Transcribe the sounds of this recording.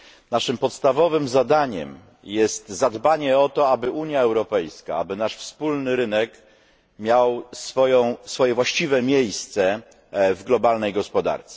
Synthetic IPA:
naʂɘmpɔt̪st̪avɔvɘmzad̪aɲɛ̰m | jɛst̪zad̪baɲɛɔt̪ɔabɘʔuɲjaɛwɾɔpɛjska̰a̰bɘnaʂfspulnɘɾɘnɛk | mʲjawsfɔjɔ̃w̃sfɔjɛvwaɕt͡ɕivɛmʲjejst̪sɛ | vɡlɔbalnɛjɡɔspɔd̪a̰ɾt̪sɛ

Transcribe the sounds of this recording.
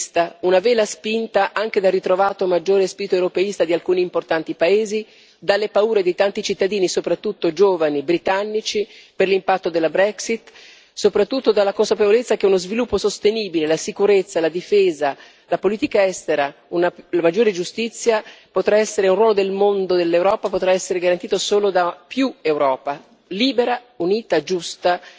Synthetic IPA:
st̪aunavɛːlaspint̪aʔaŋk̟ed̪alrːit̪ɾovaːt̪omad͡ʒːoːɾespiːɾit̪oewɾopeist̪ad̪ialkuːniːmport̪ant̪ipaeːzi | d̪alːepauːɾed̪ejt̪ant̪it͡ʃit̪ːad̪iːnisopɾat̪ːut̪ːod͡ʒoːvanibɾit̪anːit͡ʃiperlimpat̪ːod̪elːabɾɛksit̪ | sopɾat̪ːut̪ːod̪alːakonsapevolet̪sːak̟eunozvilupːosost̪eniːbilelasikuɾet̪sːalad̪ifeːza | lapoliːt̪ikaɛst̪eɾa | unalamad͡ʒːoːɾed͡ʒust̪it̪sːjapot̪ɾaɛsːeɾeunrwɔːlod̪elmond̪od̪elːewɾɔːpapot̪ɾaɛsːeɾeɡaɾant̪iːt̪osoːlod̪apjuewɾɔːpa | liːbeɾa | uniːt̪ad͡ʒust̪a

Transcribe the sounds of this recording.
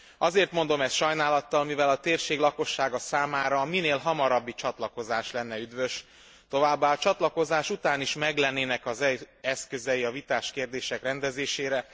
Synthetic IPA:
ɒzeːrt̪mo̞nd̪o̞mɛsʃɒjnaːlɒt̪ːɒlmivɛlɒt̪eːrʃeːɡlɒko̞ʃːaːɡɒsaːmaːɾɒmineːlɦɒmɒɾɒbːit͡ʃɒt̪lɒko̞zaːʃlɛnːɛyd̪ʋø̞ʃ | t̪o̞vaːbːaːɒt͡ʃɒt̪lɒko̞zaːʃut̪aːniʃmɛɡlɛnːeːnɛkɒzɛɛskø̞zɛiɒvit̪aːʃkeːrd̪eːʃɛkrɛnd̪ɛzeːʃeːɾɛ

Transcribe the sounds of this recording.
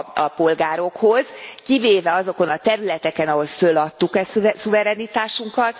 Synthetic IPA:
ɒpo̞lɡaːɾo̞kho̞zkiveːvɛɒzo̞ko̞nɒt̪ɛɾylɛt̪ɛkɛnɒɦo̞lfølːɒt̪ːukɛsuvɛɾɛnit̪aːʃuŋkɒt̪

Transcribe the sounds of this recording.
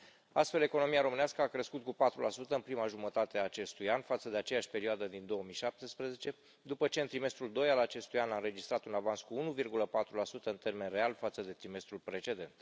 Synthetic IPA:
a̰st̪fe̞le̞ko̞no̞miaɾo̞mɨnaskəakɾeskut̪̚kupat̪ɾulʔasut̪əɨnpɾimaʒumət̪at̪e̞aːt͡ʃe̞st̪ujanfat̪səd̪e̞at͡ʃe̞jaʃʲpe̞ɾioad̪əd̪ind̪o̞wəmiʃap̚t̪espɾeze̞t͡ʃe̞ | d̪upət͡ʃe̞ɨnt̪ɾime̞st̪ɾuld̪o̞jalat͡ʃe̞st̪ujanaɨnɾe̞d͡ʒist̪ɾat̪unavanskuunuvirɡuləpat̪ɾulasut̪əɨnt̪e̞rme̞nre̞alfat̪səd̪e̞t̪ɾime̞st̪ɾulpɾe̞t͡ʃe̞d̪e̞nt̪

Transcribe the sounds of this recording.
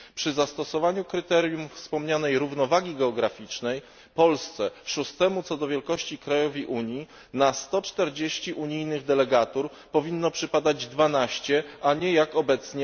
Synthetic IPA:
pʂɘzast̪ɔsɔvaɲukɾɘt̪ɛɾʲjumfspɔmɲanɛjɾuvnɔvaɡʲiɡɛɔɡɾafʲit͡ʂnɛj | pɔlst̪sɛʂust̪ɛmut̪sɔd̪ɔvʲjɛlkɔɕt͡ɕikɾajɔvʲiʔuɲji | nast̪ɔt͡ʂt̪ɛɾd͡ʑeɕt͡ɕiʔuɲijnɘɣd̪ɛlɛɡat̪uɾ | pɔvʲinːɔpʂɘpad̪ad͡ʑd̪vanaɕt͡ɕɛaɲɛjakɔbɛt̪sɲɛ

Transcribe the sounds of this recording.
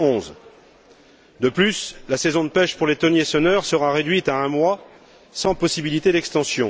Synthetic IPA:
ɔ̃z | d̪əplyslasɛzɔ̃d̪əpɛʃpuʁlet̪ɔnjesɔnœʁsəʁaʁed̪ɥit̪aɛ̃mwa | sɑ̃pɔsibilit̪ed̪ɛkst̪ɑ̃sjɔ̃

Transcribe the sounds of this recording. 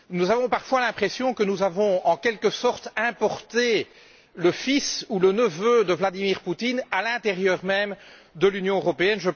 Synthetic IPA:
nuzavɔ̃paʁfwalɛ̃pχesjɔ̃kənuzavɔ̃ɑ̃kʲɛlkəsɔʁt̪ɛ̃pɔʁt̪e | ləfisulənəvød̪əvlad̪imiʁput̪inalɛ̃t̪eʁjœːʁmɛmd̪əlynjɔ̃øʁɔpeɛnʒə

